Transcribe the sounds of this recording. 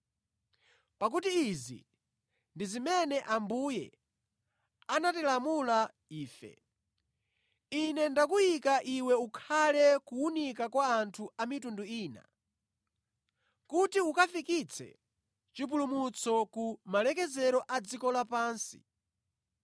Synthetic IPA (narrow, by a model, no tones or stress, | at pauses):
pak̬utiːzḭ | ndizimɛnɛʔambujɛ̰ | anatilamula | iːfɛ̰ | inɛndakujikaʔiwɛukʰalɛkuunikakwaːntʰuamitunduiːna̰ | kutiukafikit͡sʰɛ̰ | t͡ʃip̬ulumut͡sɔkumalɛk̬ɛzɛɾɔʔad͡zikɔlapaːnsḭ